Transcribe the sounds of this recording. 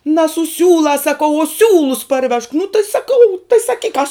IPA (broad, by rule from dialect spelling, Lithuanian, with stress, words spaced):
nɐ sʊ ˈsʲuːlˠɑːs sɐˈkɐʊ oː ˈsʲuːlˠʊs pɐrʲˈʋʲɛʃk nʊ tɐɪ sɐˈkɐʊ tɐɪ sɐˈkʲiːk kɐs